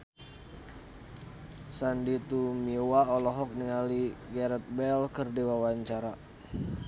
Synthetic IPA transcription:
sandit̪umiwaɔlɔɦɔk̚niŋaliɡɛɾɛt̪̚bɛlkərdewawaɲt͡ʃaɾa

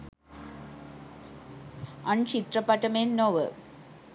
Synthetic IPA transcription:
ʔɐɳt͡ʃit̪ɾɐpːɐʈːɐmeːnːoːʋə̰

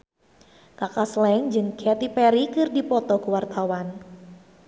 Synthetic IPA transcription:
kakaslɛŋd͡ʒɨŋkʰɛt̪ipɛɾikɨrdipɔt̪ɔkəwart̪awan

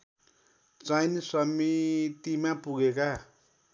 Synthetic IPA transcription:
t͡sajnsʌmit̪imapuɡeka

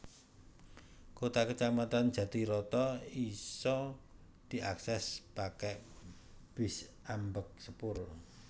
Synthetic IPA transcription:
kot̪akət͡ʃamat̪and̥ʒ̥ä̤d̪̥iɾɔt̪ɔisɔ | d̪̥i̤aksɛspakɛ | b̥ɪsʔambək̚səpʊr

